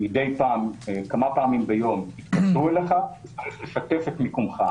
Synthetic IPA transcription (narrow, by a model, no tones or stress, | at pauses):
mide̞jpaːmekamapaːmimbejo̞mit̪kaʃueleχaet͡saʁiχle̞ʃat̪e̞fetmikumχa